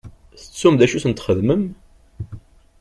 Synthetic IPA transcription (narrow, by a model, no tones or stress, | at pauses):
θət͡sːumðæʃuθənt̪χəðməm